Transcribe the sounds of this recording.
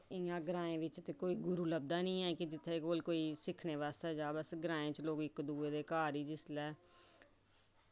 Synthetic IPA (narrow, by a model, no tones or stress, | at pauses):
ɪãːɡəɾãːẽːʋɪt͡ʃt̪eːkoːiːɡʊɾuːləb̚d̪aːnĩːɛːkɪd͡ʒɪt̪ʰːeːkoːlkoːiːsɪkʰneːʋaːst̪eːd͡ʒaːbəsɡəɾaːẽːt͡ʃloːɡɪkd̪uːeːd̪eːkaːɾiːd͡ʒɪslɛː